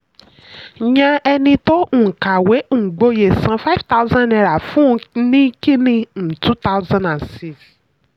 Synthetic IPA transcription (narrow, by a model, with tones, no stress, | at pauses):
ɲã˧ɛ˧nĩ˧tɔ̃˦˨ka˨we˨˦˨ɡ͡bo˧je˨sã˨˧fa˦vta˦zã˦nɛ˧ɾa˨fũ˦˧nĩ˦ki˦nĩ˧n̩˨tu˦ta˦wzã˦nã˨nsi˦˨f